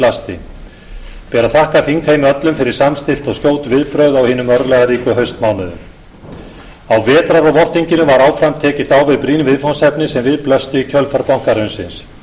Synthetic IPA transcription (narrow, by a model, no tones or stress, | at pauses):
last̪ɪ̰ | pɛːɾaθahkaθiŋkʰejmɪœt̪lʏmfɪɾɪɾ̥samst̪ɪl̥t̪ɔɣskcjoːwt̪vɪðpɾœɥðawhiːnʏmœɾðlɛɣaɾiːkʏɦœɥst̪maːwnʏðʏ̰m | awvɛːt̪ɾaɾɔɣvɔr̥t̪iɲcɪnʏvaɾaːwfɾamt̪ʰɛːcɪst̪aːwvɪðpɾiːnvɪðfɔnsɛpnɪsɛmvɪðplœst̪ʏicʰœlfaɾpawŋ̥kaɾʏnsɪns